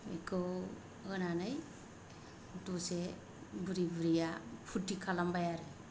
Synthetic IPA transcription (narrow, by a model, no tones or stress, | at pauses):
mikow | ɡənanaj | tuse | buɾibɾijapʰutːikʰalambajaɾɯ